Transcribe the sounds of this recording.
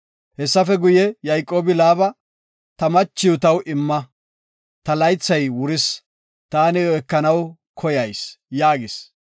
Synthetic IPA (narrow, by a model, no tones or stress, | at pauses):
hɛsːɐfɛɡʊjɛjɐjkʼːo̞ːbɪlaːbɐ | t̪ɐmɐt͡ʃːɪjʊt̪ɐwʔɪmːɐ | t̪ɐlɐjt͡sːɐjwʊɾɪs | t̪aːnɪːkːɐnɐw | kʰɔjɐjsjaːɡɪs